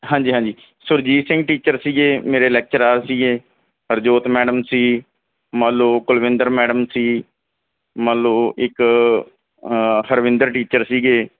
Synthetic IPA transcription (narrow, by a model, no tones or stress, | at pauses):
ɦãːɲd͡ʒiːɦãːɲd͡ʒiː | sʊɾd͡ʒiːsɪ̃ŋɡʈiːt͡ʃəɾsiːɡeːmeːɾeːlɛːk̚t͡ʃəɾaːɾsiːɡeː | ɦəɾd͡ʒoːt̪mɛːɖəmsiː | mãːloːkʊlʋɪ̃nd̪əɾmɛːɖəmsiː | mãːloːɪk | həɾʋɪ̃nd̪əɾʈiːt͡ʃəɾsiːɡeː